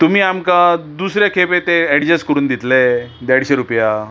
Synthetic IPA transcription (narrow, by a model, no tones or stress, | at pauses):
t̪um̤iːamkad̪usɾjakʰepet̪eɛɽd͡ʑəsʈkəɾuːnd̪it̪led̪aɽɕeɾupja